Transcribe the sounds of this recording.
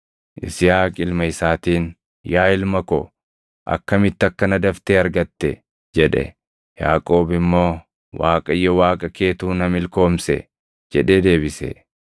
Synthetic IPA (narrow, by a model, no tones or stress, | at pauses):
ʔɪ̰sɪjaːkʼɪlmɐɪsaːt̪iːn | jaːɪlmɐkɔ | ʔɐ̰kːɐmɪt̪ːɐkːɐnɐd̪ɐft̪eːɐɾɡɐt̪ːɛ̰ | d͡ʒɛᶑɛ̰ | ja̰ːkʼo̞ːbɪmːo̞ː | waːkʼɐjːɔwaːkʼɐke̞ːt̪uːnɐmɪlko̞ːmsɛ̰ | d͡ʒɛᶑe̞ːd̪e̞ːbɪsɛ̰